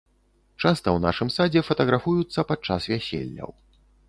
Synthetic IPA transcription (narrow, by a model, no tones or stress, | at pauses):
t͡ʂast̪ɐwna̰ʂɨmsad͡zʲɛfɐt̪ɐɣɾafujut̪sːɐpat͡ʂasvʲæsʲḛlʲːɐ̰w